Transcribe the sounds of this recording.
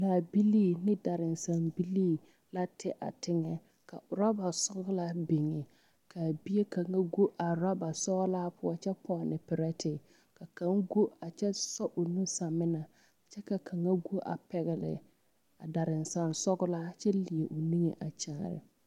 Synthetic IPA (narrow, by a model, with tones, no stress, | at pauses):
laː˨bi˦liː˦˨nɪ˦da˨ɾɪ˨nsa˨nbi˦liː˦ | la˦tʰɪ˦ʔa̰˨tɪ˦ŋɛ˦ | ka˨ʊ˨ɾa˦ba˨sɔ˦ɡʊ˦la˦bi˨ŋɪ˨ | kʰa˨bi˦je˦ka˨ŋa˦ɡu˦ʔa˨ɾa˦ba˨sɔ˦la˦pʊ˦a˦t͡ʃɛ˦pʰɔ˦˨nɪ˨pɪ˨ɾɛ˦tɪ˨ | ka˨ka˦ŋɡu˦a˨t͡ʃɛ˦sɔ˦ʔʊ˨nu˦sa˨mɪ˦na˨ | t͡ʃɛ˦ka˨kʰa˨ŋa˦ɡu˦ʔa̰˨pɛ˨ɣɛ˨lɪ̰˨ | a̰˨da˨ɾɪ˨nsa˨nsɔ˦ɡʊ˦la˦t͡ʃɛ˦li˨e˨ʔo˨ni˦ŋe˨ʔa˨t͡ʃaː˦˨ɾɪ̰˨